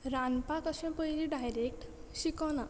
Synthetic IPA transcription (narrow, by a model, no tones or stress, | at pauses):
ɾanpakʌsõpʌjɾiɖajɾek̚ʈsikɔnʌ